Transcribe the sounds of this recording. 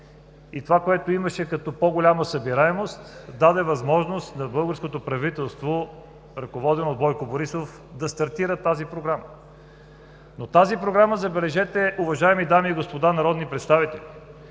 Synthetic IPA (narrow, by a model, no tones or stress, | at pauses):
it̪ovakoɛt̪oiməʃɛkɐt̪ɔpɔɡolʲaməsəbiɾaɛmost̪d̪ad̪ɛvɐzmɔʒnost̪nɐbɤlˠɡəɾskot̪opɾɐvit̪ɛlˠst̪vo | ɾɐkovɔd̪ɛnod̪bɔjkoboɾisof | d̪ɐst̪ɐɾt̪iɾət̪azipɾoɡɾamə | not̪azipɾoɡɾaməzɐbɛlɛʒɛt̪ɛʔʊvɐʒaɛmid̪amiːɡospod̪anɐɾɔd̪nipɾɛt̪st̪avit̪ɛli